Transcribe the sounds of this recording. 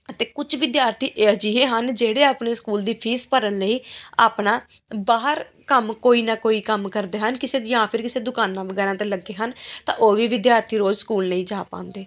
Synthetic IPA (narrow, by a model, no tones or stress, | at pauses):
ət̪eːkʊt͡ʃʰʋɪd̪jaːɾt̪ʰiːʔed͡ʒiːeːɦənd͡ʒeːɽeːaːpɳeːskuːld̪iːpʰiːspəɾənləiːaːpnaː | baːɦəɾ | kəmkoːiːnaːkoːiːkəmkəɾd̪eːɦənkɪseːjãːpʰɪɾkɪseːd̪ʊkaːnãːʋəɡɛːɾãːt̪eːləɡeːɦənt̪ã̰ːʔoːʋiːʋɪd̪jaːɾt̪ʰiːɾoːzskuːlnəĩːd͡ʒaːpã̰ːnd̪eː